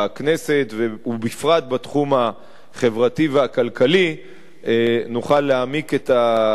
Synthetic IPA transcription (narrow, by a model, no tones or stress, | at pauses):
aknese̞tveubifʁat̪̚batχuma | χe̞vʁativeakalkali | nuχalːeamiketa